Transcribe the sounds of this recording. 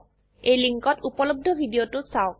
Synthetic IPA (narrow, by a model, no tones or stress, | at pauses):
ejliŋkɔtupɔlob̚dʱɔbʱidiotʊsaʊk